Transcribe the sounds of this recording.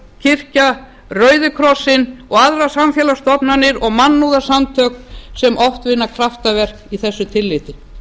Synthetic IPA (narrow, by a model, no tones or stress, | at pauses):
cʰɪr̥ca | rœːɥðʏkʰɾɔsːɪnɔɣaðɾasamfjɛːlast̪ɔpnanɪɾɔɣmanːuðasamt̪ʰœːknsɛmʔɔft̪vɪnːakʰɾaft̪avɛr̥kiθɛsːʏt̪ʰɪlːɪːt̪ɪ